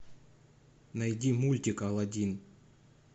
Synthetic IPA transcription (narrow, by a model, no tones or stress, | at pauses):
nɐjdʲimulʲtʲikɐlˠɐdʲin